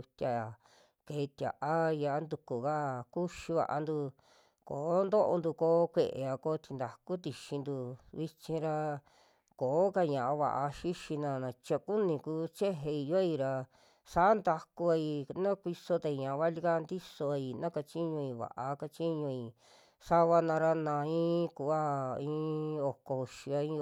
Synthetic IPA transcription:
t̪ʲa˧a˨ | keː˨˧t̪ʲja̰˨ʔa˦ja˧a˦nd̪u˧ku˨ka˦˨ku˦ʃi˧βa̰˧ʔa̰˧nd̪u˧ | ko˨˦nd̪o˦ʔo̰˧nd̪u˧koː˧˦kʷe˧ʔḛ˧a˧ko˧˦t̪i˧nd̪a˨ku˦t̪i˧ʃĩ˧nd̪u˧βi˧t͡ʃĩ˧ɾa˧ | koː˨˦ka˧ɲã˨ʔa˧βa̰˧ʔa˧ʃi˦ʃi˧nã˧nã˧t͡ʃa˧ku˦nĩ˧kuː˦t͡ʃe˦ɦe˧i˧jo˦i˧ɾa˧ | sa˦nd̪a˧ku˧a˧i˧nã˦kʷi˧so˧t̪a˧i˧ɲã˨˧βa˦li˧ka˦nd̪i˦so˧a˧i˧nã˦ka˧t͡ʃi˦ɲũ˧ĩ˧βa̰˨ʔa˧˦ka˧t͡ʃi˦ɲũ˧i˨ | sa˦βa˧nã˧ɾa˧nã˧ĩː˦ku˧˦a˦ĩː˧o˧˨ko˧ʃi˧a˧ĩ˦˧

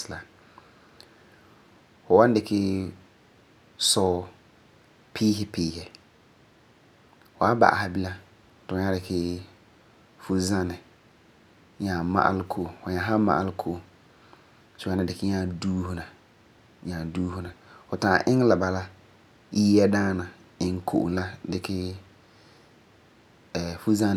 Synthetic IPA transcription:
sla˨ | fʊ˨wa˦n˦dɪ˨kʰɪ˦ | sɔ˦ | pʰiː˦ɦɪ˦piː˦hɛ˨ | fʊ˨a˦ba̰˨ʔa̰˨ha˨bi˦la˦ | tʊ˨˦ɲa˦dɪ˨kʰɪ˦ | fu˦za˦nɪ˨ | ɲa˨ma̰˦ʔa̰˦lkʰo˦˨o˨fʊ˨ɲa˨ɦa˦ma̰˨ʔa̰˦lɪ˦kʰo˦o˨ | sʊ˨˦a˦na˨dɪ˨kɪ˦ɲa˦duː˦hʊ˦na˨ | ɲa˨duː˦hʊ˦na˨fʊ˨taː˨ʔɪ˦ŋ˦la˨ba˨la˦ | jiː˦jɛ˦daː˦na˨ | ɪ˨ŋkʰo̰˨ʔʊ̰˨˦la˦dɪ˨kʰɪ˦ | ɛ˨fu˦za˦

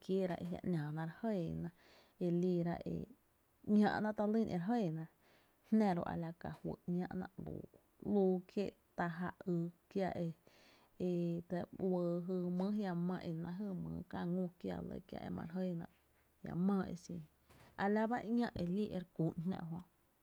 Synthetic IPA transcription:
kje˦ɾa˧ʔe˧ja̰˧ʔnʲãː˨nã˧ɾhə˦˧˨nã˧ | e˧liː˧ɾa˧ʔḛ˨ | ŋã̰˧ʔnã˧ʔt̪a˧li˦˨nʔḛ˧˨ɾɦə˦˨nã˧ʔ | hnã˧ɾo̰˧ʔa̰˨la˧ka˨hwə˨ʔɲã˧ʔnã̰˧ʔlṵː˨ | luː˧kje˦˨ʔ | t̪a˧ɦa˧ɨ˧kja˧ʔe˧ | e˧t̪e˧wəː˧ɦɨ˧mə̃˦hja˧mã˧ʔe˧˨nã˧ɦɨ˧mə̃ː˨˧˦ka˧ŋũ˧kja̰˧lə̰˧˨kja̰˧ʔe˧mã̰˧ɾɦə˦˧˨nã̰˧ʔ | hja̰˧mãː˧ḛ˧sĩ˧ | a˨la˧ba˦ʔŋã˦˧ʔe˧li˦ʔe˧ɾku˨nnã̰˧˨ɦwõ˧

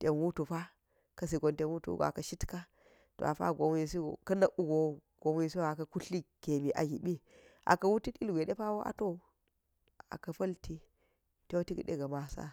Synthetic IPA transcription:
te˨nwu˦tu˨fa˦ | kɐ˦s̬i˨ɡo˨nte˨nwu˦tṵ˦ṵ˦ɡo̰˨a̰˨kɐ˦ʃi˦tka˦ | to̰˨a˨fa̰˦˨ɡo˨m˦i˨s̬i˦ɡo̰˨kɐ˦nɐ˦ʔu˦ɡo˨ | ɡ̥o˨m˦i˦˨si˦˨a˨kɐ˦ku˦ɬi˦ɡ̥e˨mi˨ʔa̰˨ɡi˨ɓi˦ | ʔa̰˨kɐ˦wu˦ti˦ti˦lɡʷe˨ɗe˦pa˦wo˦ʔa̰˨to˦˨ | a̰˨kɐ˨fɐ˦lti˦ | te˦wo˦ti˦ki˨ɗḛ˦ɡɐ˨ma˨sa̰˦

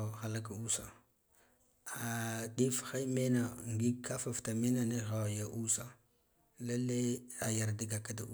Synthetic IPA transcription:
ɣa˨la˦ɡa˨u˦sa˨ | a˨ɗi˦fxa˦me˦na˨ŋɡi˦kʰa˦fa˨fta˨me˦na˨ni˦ɣa˨ja˦ʔu˦sa˨ | la˦le˦a˨ja˨ɾdi˨ɡa˨ka˦da˦u˦

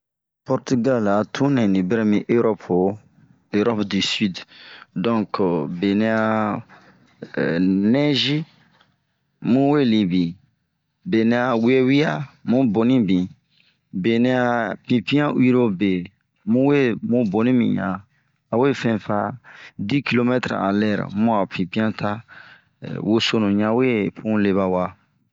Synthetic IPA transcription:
pɔ˨ɾti˦ɡa˦la˨tʰũ˦nɛ̃˨nĩ˨bɛ˦ɾɛ˦mĩ˦ʔe˦ɾɔ˦pʰo˨ | e˨ɾɔ˦pdi˨si˦ddɔ̃˦ŋkbe˨nĩ˧a˧ | nɛ˦ʒi˦ | mũ˦we˦˨li˨bi˨ | be˨nĩ˧a˨wi˦e˦wi˦a˦mũ˦bo˨nĩ˦bĩ˨ | be˨nĩ˧a˧pĩ˨pĩ˦ã˦wi˦ɾo˦be˨ | mũ˦we˦mũ˦bo˨nĩ˦mḭ̃˨ɲã̰˨ | a˨we˦˨fɛ̃˦fa˧di˦ki˦lo˦mɛ˦tɾa̰˨a̰˨lɛ˦˨ɾa̰˨mũ˦a˨pĩ˨pĩ˦ã˦ta̰˦ | wo˦so˦nũ˨ɲã˦we˦pʰũ˦le˦βa˨wa˧

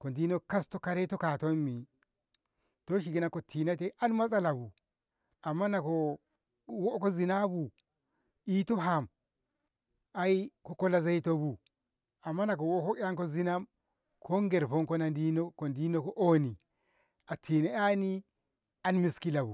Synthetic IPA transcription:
ko˨ndi˦no˦ka˦sto˦ka˨ɾe˦to˦ka˨to˦mːi˨ | to˦ʃ̬i˨ɡi˦na˦ko˨tʰi˨na˦te˦ʔa˦nma˦s̬ʼa˦la˨bu˨ | a˨mːa˦na˨ko˨ | wo˦ko˦zi˨na˦bu˨ | i˦to˦ɦa˨m | a˦i˦ko˦ko˦la˦za˦i˦to˦bu˨ | a˨mːa˦na˨ko˨wo˦ko˦a˦ŋko˦zi˦na˦m | kʰo˦ŋɡe˨ɾpo˦ŋko˦na˨ndi˦no˦ko˨ndi˦no˦ko˦ʔo˦ni˨ | a˨tʰi˨ne˦a˦ni˦ | a˦nmi˨ski˦la˨bu˨

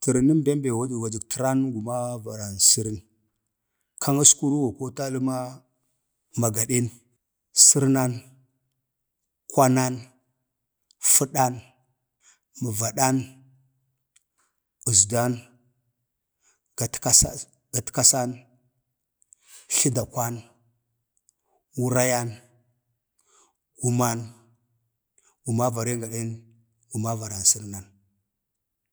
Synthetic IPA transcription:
tə˨ɾi˨ni˦mbe˦m˦be˨wa˦di˨wa˨d͡ʒi˨ɡtə˨ɾa˦n˦ɡu˨ma˦va˨ɾa˨nsi˦ɾi˦n | kʰa˦ŋa˦sku˦ɾu˦wa˨ko˦ta˦lu˦ma˦ | ma˨ɡa˨ɗi˦n | si˦ɾna˦n | kwa˦na˦n | fu˦ɗa˦n | mə˨va˨ɗa˦n | u˨zda˦n | a˨ta˦sa˦ | ɡ̥a˨tka˦sa˦n | ɬi˦da˨kʷa˦n | wu˦ɾa˦ja˦n | ɡ̥u˨ma˦n | ɡu˨ma˦va˨ɾe˦ŋɡa˨ɗe˦n | ɡu˨ma˦va˨ɾa˨n˨si˦ɾna˨n

